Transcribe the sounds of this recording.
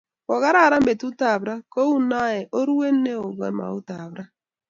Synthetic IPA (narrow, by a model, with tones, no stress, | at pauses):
ɔ˨ɣa˦ɾa˦˨ɾa˦m˦be˨tu˦ta˨βɾa˦ko˦u˦na˦jɛ˨ʔo˦ɾu˦e˦ne˦o˨ɡɛ̰˦ma̰˨u˦ta˨βɾa˦